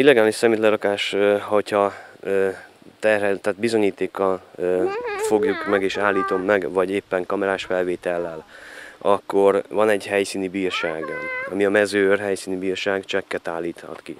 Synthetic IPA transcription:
ilːɛɡaːliʃsɛmit̪lɛɾɒkaːʃøho̞chɒøːt̪ɛrɦɛt̪ːaːt̪̚bizo̞ɲiːt̪eːkːɒløːfo̞ɡjukmɛɡeːʃaːlːiːt̪o̞mːɛɡvɒɟeːpːɛŋkɒmɛɾaːʃfɛlveːt̪ɛlːɛlɒkːo̞rvɒnɛɟɦɛjsiːnibiːrʃaːɡɒnɒmiɒmɛzøːrɦɛjsiːnybiːrʃaːɡt͡ʃɛkːɛt̪aːlːiːt̪hɒ̰t̪ki

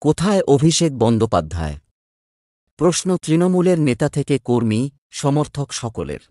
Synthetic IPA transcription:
kot̪ʰaeʔobʱiʃek̚bɔnd̪opa̰d̪ʱːa̰e | pɾosnot̪ɾinomuleɾnet̪at̪ʰekekoɾmi | ʃɔmoɾt̪ʰokʃɔkolḛɾ

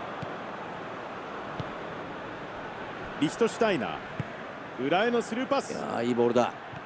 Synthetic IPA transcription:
ɾʲiçi̥t̪o̞ɕi̥t̪aina̰ː | ɯ̟ɾae̞no̞sɨɾɯ̟ːpasɨa̰iboɾd̪a

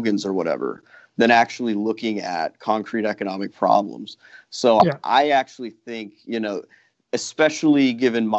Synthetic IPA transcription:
ɡɨ̃nzə˞wʌɾɛ̰və̰˞ | ðɨ̃ɾ̃æk̚t͡ʃul̩ˠilʊkɪ̃ŋɨ̰t̚kʰɑ̃ŋkʰɹ̥iɾɛkɨnɑmɨk̚pʰɹ̥ɑ̰blə̰̃mz̥ | soʊʔa̰ɪæk̚t͡ʃul̩ˠiθɪ̃ŋkjɨnoʊ | ɨspɛʃl̩ˠiɡɪvɨ̃nm

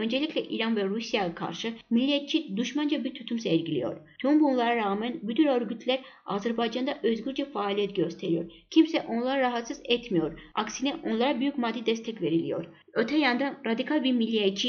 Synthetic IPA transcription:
ø̞nd͡ʒelʲicʲlʲɛʔiɾanvɛɾusijajakʰa̰ɾʃɯmilʲːiɛt̪̚t͡ʃʰid̪uʃmand͡ʒabiɾt̪ʰyt̪ʰymsɛɾɟilʲḭjo̞̰ɾt̪ʰuumbunlˠaɾaɾaːmænbyd̪ʰyɾøɾɡyt̪ʰlʲæɾ | a̰zæɾbajd͡ʒand̪aʔøzɡyɾd͡ʒɛfaːlʲiɛt̪ɟøst̪ʰe̞ɾijo̞̰ɾ | cʰimsɛʔo̞nlˠaɾaɾaɦat̪sɯzɛt̪ʰmijo̞ɾa̰ksinɛʔo̞nlˠaɾabyjycmad̪ːid̪ɛst̪ʰɛcve̞ɾilʲḭjo̞̰ɾ | øt̪ʰɛjand̪anɾad̪ikʰalʲˠbiɾmilʲːijet͡ʃʰi

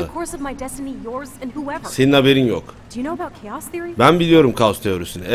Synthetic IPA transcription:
kʰɔɹsʌvmaɪdɛstɨnijɔɹzɨ̃nhuɛvə˞seninhabe̞ɾinjo̰kd̥ɨjɨnoʊəbaʊt̚kʰeɪɑsθɪɹibænbilʲijo̞ɾumkʰaust̪ʰejøɾysynɛ

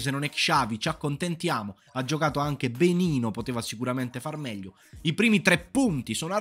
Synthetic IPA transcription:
s̬enːonɛkʃaːvit͡ʃakːont̪ent̪jaːmo | ad͡ʒːokaːt̪oaŋk̟ebeniːnopot̪eːvasikuɾament̪efarmɛʎːo | ipɾiːmit̪ɾɛpːunt̪isɔːnoa

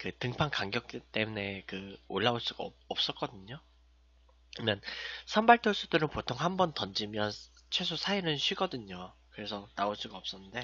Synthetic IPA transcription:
kɯtɯŋpʰankaŋɡjʌk̚k͈it͈e̞mune̞kɯoɭːaoɭs͈uɡ̥a̰ʌp̚s͈ʌt̚k͈ʌdɯɲo | kɯmjʌnsʰambaɭtʰuɭs͈udɯɾɯnpotʰoŋhambʌntʌnd͡ʑimjʌn | t͡ɕʰwe̞sʰosʰainɯnɕʰɥiɡʌdɯɲokɯɾe̞sʰʌnaoɭs͈uɡaʌp̚s͈ʌnːɯnde̞

